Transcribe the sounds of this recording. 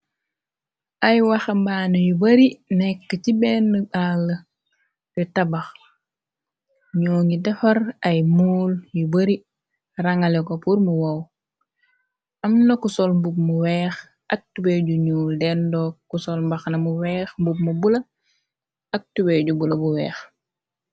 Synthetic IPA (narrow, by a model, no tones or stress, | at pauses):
ʔɐjwɐxɐmbaːnɐjubɐɾinɛkːət͡ʃibɛːnːəbalːə | bɛtɐbɐx | ɲɔːŋɡidɐfɐɾɐjmuːljubɐɾi | rɐŋɐlɛkopuɾmuwɐw | ʔɐmnɐkusɔlmbup̚muwɛːx | ʔɐk̚tubejɟuɲuːldɛndɔːkːusɔlmbɐxnɐmuwɛːxmbup̚mubulɐ | ɐk̚tubeɟubulɐbuwɛ̰ːx